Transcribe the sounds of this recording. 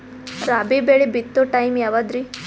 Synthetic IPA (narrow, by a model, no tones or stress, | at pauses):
ɾabibeɭibit̪ːoʈajmjaʋad̪ɾi